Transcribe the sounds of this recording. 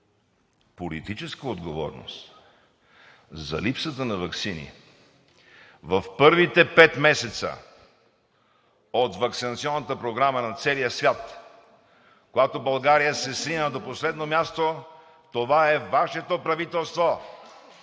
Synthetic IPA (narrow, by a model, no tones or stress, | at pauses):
polit̪it͡ʃɛskəod̪ɡovɔ̰ɾno̰st̪ | zɐ̰lipsət̪ənɐvɐksinḭ | vɐfpɤɾvit̪ɛpɛt̪mɛsɛt̪sə̰ | ot̪vɐksinɐt̪siɔnːət̪əpɾoɡɾamənɐt̪sɛlijəsvʲjat̪ | koɡat̪obɐlˠɡaɾijəsɛsinəd̪oposlɛd̪nomʲjast̪o | t̪ovaɛvaʃɛt̪opɾɐvit̪ɛlˠst̪vo